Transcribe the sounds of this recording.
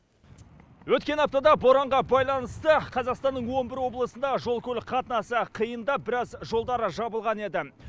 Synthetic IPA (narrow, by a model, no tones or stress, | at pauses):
wɵt̪̚kʲe̞nɑp̚t̪ɑd̪ɑbo̞ɾɑɴʁɑbɑjlˠɑnəst̪əqʰɑzɑqst̪ɑnːəɴwo̞nbɪɾwo̞blˠəsənd̪ɑʒo̞lˠkʲʰɵlqʰɑt̪ənɑsəqʰijənd̪ɑp̚bɪɾɑzʒo̞lˠd̪ɑɾəʒɑbəlˠʁɑne̞d̪ɪ